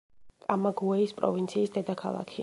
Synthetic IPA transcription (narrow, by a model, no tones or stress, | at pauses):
t̪ʼamaɡuɛispʼɾɔ̰vint̪sʰiːsd̪ɛd̪akʰalˠa̰kʰi